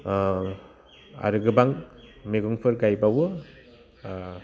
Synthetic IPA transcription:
a̰ɾɯɡɯbaŋmeɡɔŋpʰɯɾɡajbawɯ

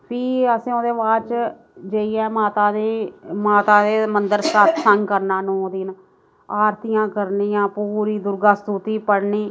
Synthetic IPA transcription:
pʰiːəsẽːoːd̪eːʋaːt͡ʃ | d͡ʒəiɛːmaːt̪aːd̪eːmaːt̪aːd̪eːmənd̪əɾsat̪ʰsəŋɡkəɾnãːnũːod̪iːn | aːɾt̪ɪjãːkəɾnĩːãːpuːɾiːd̪ʊɾɡaːst̪ut̪iːpəɽɳiː

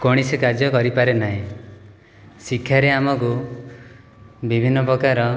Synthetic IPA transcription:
koɽ̃isikaɾd͡ʒjɔkɔɾipaɾenaɦĩ | sikʰːjaɾeamɔku | bibʱinːɔpɾɔkaɾɔ

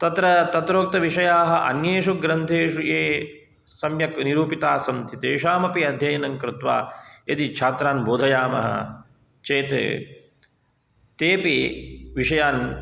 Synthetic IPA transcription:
t̪ɐt̪ɾɐt̪ɐt̪ɾoːk̚t̪ɐʋiʂɐjaːɦɐʔɐ̰njeːʂuɡɾɐnt̪ʰeːʃujeː | sɐmjɐkniɾuːpit̪aːsɐmt̪ʰit̪eːʃaːmɐpiɐd̪ʱjɐjɐnɐŋkɾɪt̪ʋa̰ːjɐt̪it͡ʃʰaːt̪ɾaːnboːd̪ʱɐjaːmɐ̰ɦɐ̰ | t͡ʃeːt̪ḛ | t̪eːpiʋiʂɐjaːn

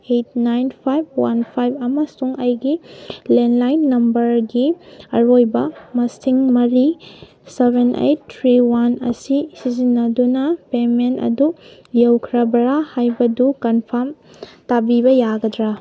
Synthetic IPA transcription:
et̚najnpʰajb̚wa̰npʰajbɐmɐsuŋɐjɡilenlajnːɐmbɐɾɡiɐɾojbɐmɐsiŋmɐɾi | sebenḛjt̚tʰɾiwanɐ̰sisizinːɐdunɐpementɐ̰du | jewkʰɾɐbɐɾahajbɐdukɐnpʰɐm | tabibɐjaɡɐdɾa

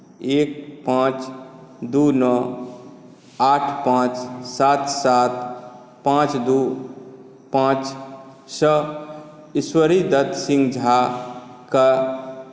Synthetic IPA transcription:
eːk̚pãːt͡ʃd̪uːnɔ | aːʈʰpãːt͡ʃsaːt̪saːt̪ | pãːt͡ʃd̪uː | pãːt͡ʃ | sə | ɪswəɾid̪ət̪sɪ̃ŋɡd͡ʒʱaːka

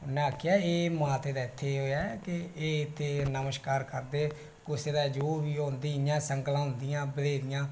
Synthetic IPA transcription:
ʊnɛ̃ːaːkʰːɪjaːeːmãːt̪eːd̪aːɪt̪ʰːeːɦoːaːkɪeːɪt̪ʰːeːnəməʃkaːɾkəɾd̪eː | kʊseːd̪aːd͡ʒoːbiːɦõːnd̪iːɪjãːsəŋklãːʊ̃nd̪ɪjãːbəleːd̪ɪjãː

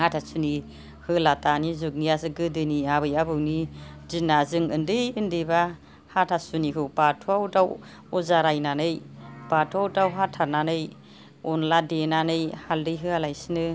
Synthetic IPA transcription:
hatʰasuni | hɯlatanizuk̚niasɯɡɯdɯniabɯjabɯwnid͡ʒinːazɯŋɯndɯjɯndeba | hatʰasuniɦɯwpatʰuawdaw | ɔzaɾajnanɯjpatʰuawdawɦatʰaɾnanɯj | ɔnladenanɯjhaldɯjɦɯalajsinɯ

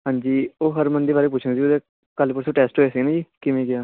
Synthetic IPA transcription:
ɦãːɲd͡ʒiːoːɦəɾmənd̪eːbaːɾeːp̬ʊt͡ʃʰəŋsiːʊd̪eː | kəlpʊɾsʰoːʈɛːsʈɦoːeːsɪɡnãːd͡ʒiːkɪmẽːɡɪjaː

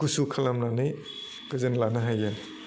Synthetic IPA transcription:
kusukʰalamnanɯj | ɡɯzenlanaɦaja

